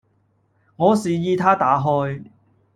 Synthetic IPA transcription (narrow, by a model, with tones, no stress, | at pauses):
ŋɔː˨˧siː˨jiː˧t̪ʰaː˥t̪aː˨˥ɦɔː˧˥j